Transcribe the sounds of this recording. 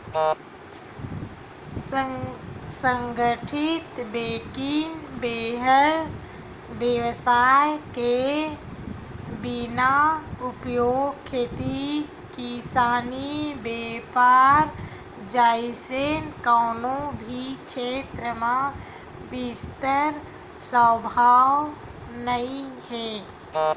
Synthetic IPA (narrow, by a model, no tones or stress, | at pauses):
səŋɡəʈʰit̪beːkinbeːɦəɾ | bjeʋsaːjke | binaupjoːɡkʰːeːt̪i | kisaːnibeːpaːɾ | d͡ʒaːɪsenkaːnõbʱikʃeːt̪ɾəmã | bɪst̪əɾ | səbʱaːw | nəĩhɛ̃ː